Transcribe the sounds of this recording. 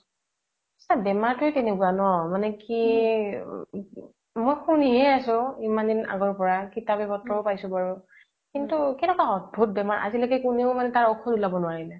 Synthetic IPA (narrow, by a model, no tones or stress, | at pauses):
sabɛmaɹtʊjtɛnɛkuanɔmanɛki | mojxuniɦɛasʊ̃imandina̰ɡɔɹpɔɹakitabɛbɔtːɔɹpajsʊ̃baɹu | kintukɛnɛkwaɔt̚bʱut̚bɛmaɹʔa̰zilɔkɛkuneʊmanɛtaɹɔkʰɔdulabɔnʊwaɹilɛ